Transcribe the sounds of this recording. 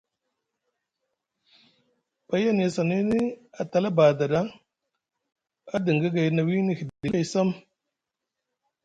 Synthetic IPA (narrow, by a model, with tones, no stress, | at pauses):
pa˨˦ja˦ne˨sa˨ni˦ni˦a˨t̪a˨la˦ba˨d̪a˨da˦ŋ | a˦di˨ŋɡə˦ɡa˨jna˨wi˦ni˨xddi˨˦jsə˦m